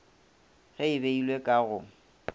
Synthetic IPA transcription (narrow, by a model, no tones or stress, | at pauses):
ɣɛɪbeilwekʼaɣʊ